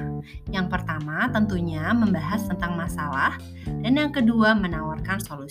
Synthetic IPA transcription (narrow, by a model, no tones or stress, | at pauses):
jaŋpərt̪amat̪ənt̪uɲaməmbaɦast̪ənt̪aŋmasalah | danjaŋkəduamənawarkansolu